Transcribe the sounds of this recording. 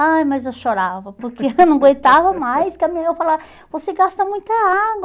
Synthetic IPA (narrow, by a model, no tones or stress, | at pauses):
ajmɐzewʃoɾavɐpoɾkeenɐ̃w̃ɡwejt̪avɐmajskɪɐmĩɐewfala | voseɡast̪ɐmũj̃t̪ɐaɡwɐ